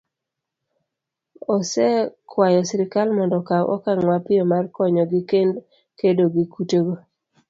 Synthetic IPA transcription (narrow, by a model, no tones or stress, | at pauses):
ɔsɛkʰwajɔsɪɾɪkalmɔndɔkawʔɔ̰kaŋwapɪjɔmarkɔɲɔɡɪkend | kedoɡikutoɡo